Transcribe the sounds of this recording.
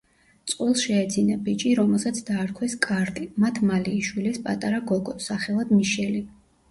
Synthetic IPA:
t̪sʼqʼwɛlˠʃɛːd̪zinabit͡ʃʼiɾɔmɛlˠsat̪sʰd̪aːɾkʰwɛskʼaɾt̪ʼimat̪ʰmaliːʃwilispʼat̪ʼaɾaɡɔɡɔsaχɛlˠad̪miʃɛli

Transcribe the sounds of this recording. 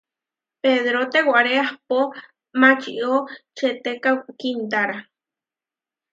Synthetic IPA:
peðɾot̪ewʷaʔɾeahpo | mat͡ʃiʔot͡ʃet̪ekakint̪aɾa

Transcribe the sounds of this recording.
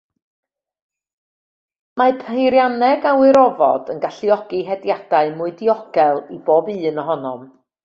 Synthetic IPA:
mapʰejɾjanɛɡawɪɾɔvɔ̰d̥ənɡaɬiɔɡ̥iɦɛdjad̥aɨmʊɨdiɔɡ̥ɛlˠiboːbɨːnɔɦɔnɔm

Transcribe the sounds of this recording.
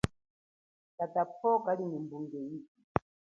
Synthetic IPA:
katapʰɔkalinimbuŋɡɛiki

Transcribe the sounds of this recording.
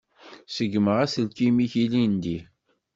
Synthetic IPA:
səɡməʁæsəlkimiçilind̪i

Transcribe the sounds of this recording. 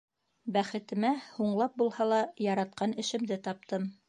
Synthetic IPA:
bæχɘ̆t̪ɘ̆mæhuɴlˠɑp̚bulˠhɑlˠɑjɑɾɑt̪̚qɑnɘ̆ʃɘ̆md̪ɘt̪ɑp̚t̪ɤm

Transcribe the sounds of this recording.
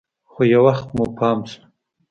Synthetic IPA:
xojawaxt̪mupʰɑːmsu̥

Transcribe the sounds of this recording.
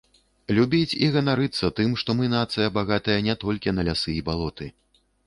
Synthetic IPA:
lʲubʲit͡sʲiɣɐnaɾɨt̪sːɐt̪ɨmʂt̪ɔmɨnat̪sɨjɐbaɣat̪ɐjɐnʲɛt̪ɔlʲkʲinɐlʲasɨibalˠɔt̪ɨ

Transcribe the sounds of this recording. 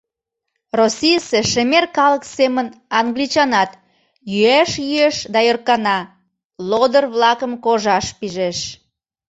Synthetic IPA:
rosʲijəseʃemerkɑləksemənɑŋɡlit͡ɕɑnɑt̪ | jyæʃjyeʃd̪ɑjørkɑnɑ | lod̪ərβlɑkəmkoʒɑʃpiʒeʃ

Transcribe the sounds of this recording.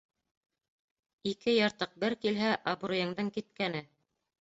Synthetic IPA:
ikɘjɑɾt̪ɤq̚bɘɾkilɦæʔɑbɾŭjɤ̆ɴd̪ɤɴkit̪̚kænɘ

